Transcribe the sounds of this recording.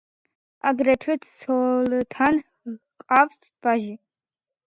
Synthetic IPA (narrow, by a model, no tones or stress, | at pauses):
a̰ɡɾɛtʰɛt̪ʰsʰɔlt̪ʰan | kʼavsb̥aʒi